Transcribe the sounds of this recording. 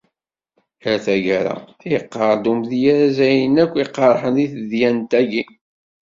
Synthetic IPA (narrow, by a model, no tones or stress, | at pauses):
ɾθæʝæɾæ̰jəqːɑɾˤd̪umðjæɾæzæjənækʷːiqːɑɾˤħəniθðjænt̪æʝi